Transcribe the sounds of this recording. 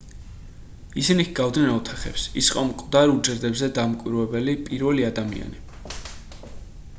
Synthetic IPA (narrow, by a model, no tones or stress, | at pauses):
isiniɡ̥avd̪nɛnɔt̪ʰaχɛ̰psḭsi̥qʼɔmkʼd̪aɾud͡ʒɛɾd̪ɛbzɛd̪amkʼwiɾvɛbɛlipʼiɾvɛliad̪amḭa̰ni